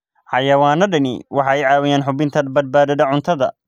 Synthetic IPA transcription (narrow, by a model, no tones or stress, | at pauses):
ħɑjɐwaːnɐɖɐnɪ̰wʔɑħɑɛjʕɑːwɪjaːnħʊbɪnt̪ʰɐbɐd̪̚baːðɐðɐʕʊnt̪ʰɐðɐ̰